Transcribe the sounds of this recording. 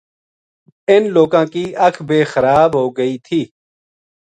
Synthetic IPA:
ɪnloːkãːkiːʔəkʰbeːxəɾaːbɦoːɡəiːt̪ʰiː

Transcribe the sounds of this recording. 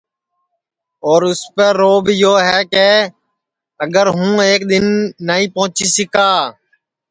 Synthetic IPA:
oːɾʊspeːɾoːbʱjoːɦɛːkeː | əɡəɾɦũːeːkd̪ɪnːaĩːpõːʊt͡ʃiːsɪkaː

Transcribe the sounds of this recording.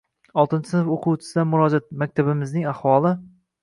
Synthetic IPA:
ɒlˠt̪ɪnt͡ʃʰɪsɪnɪfoqʰut͡ʃʰɪ̥sɪd̪anmʊɾɒd͡ʒat̪̚mak̚ʲt̪ʰabɪmɪznɪŋahwɒlˠɪ

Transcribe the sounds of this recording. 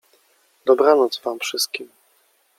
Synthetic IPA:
d̪ɔbɾanɔt̪zvamfʂɘst̪̚kʲim

